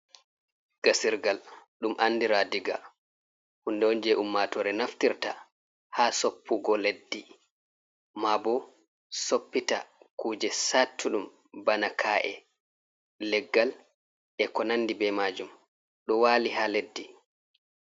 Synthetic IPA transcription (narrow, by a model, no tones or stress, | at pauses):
ɡ̥asiɾɡalɗumʔanːdiɾaːdiɡa̰ | hundɛɔnd͡ʒɛʔumːatɔɾɛnaftiɾta | hasopʰːuɡɔledːi | mabɔ | sopːita̰kuːd͡ʒɛsatʰːuɗum | banakʰaːʔɛ̰ | lɛɡːal | ʔɛkɔnandibɛmad͡ʒum | ɗɔwaːliɦaːledːi